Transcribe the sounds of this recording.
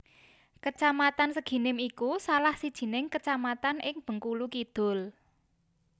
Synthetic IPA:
kət͡ʃamat̪ansəɡ̥i̤nɪmikusalahsid̥ʒ̥i̤nɪŋkət͡ʃamat̪anɪŋb̥ə̤ŋkulukid̪̥ʊ̤l

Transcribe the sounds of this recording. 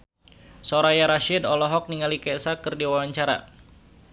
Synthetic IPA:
sɔɾajaɾaʃɪdɔlɔɦɔk̚niŋalikɛʔsakɨrdiwawaɲt͡ʃaɾa̰

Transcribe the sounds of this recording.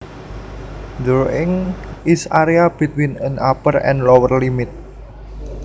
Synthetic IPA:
d̪ɾoɪŋisaɾeabit̪winənapərɛ̰nlɔwərlimɪt̪̚

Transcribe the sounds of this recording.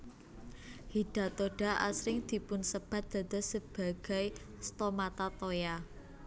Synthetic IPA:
hiɖ̥a̤t̪oɖ̥a̤ʔa̰sɾɪŋd̪̥i̤pʊnsəb̥a̤t̪̚d̪̥a̤d̪ɔsəb̥a̤ɡ̥a̤j | st̪omat̪at̪oja

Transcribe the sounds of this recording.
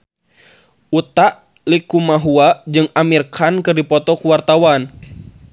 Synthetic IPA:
ut̪aʔ | likumaɦuaʔd͡ʒɨŋamirkʰankɨrdipɔt̪ɔkuwart̪awan

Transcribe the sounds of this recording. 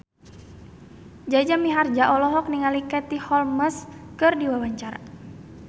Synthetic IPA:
d͡ʒad͡ʒamiɦard͡ʒaʔɔlɔɦɔk̚niŋalikɛt̪ihɔlməskɨrdiwawaɲt͡ʃaɾa̰

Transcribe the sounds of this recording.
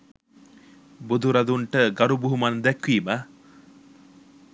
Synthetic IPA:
bud̪uɾɐd̪uɳʈəɡɐɾubuɦumɐnd̪ɛkʋiːma

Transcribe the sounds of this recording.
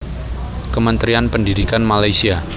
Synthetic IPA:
kəmənt̪ɾianpəndidikanmalajsia

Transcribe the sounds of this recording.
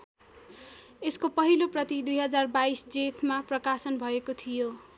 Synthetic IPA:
eskopʌɦiloprʌt̪id̪ujɦʌd͡zarbaisd͡zet̪ʰmaprʌkasʌnbʱʌekot̪ʰijo

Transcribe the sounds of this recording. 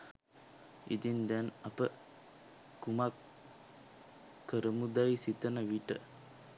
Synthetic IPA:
ḭd̪ind̪ɛnɐpə | kumak | əɾəmud̪ajsit̪ənəʋiʈə

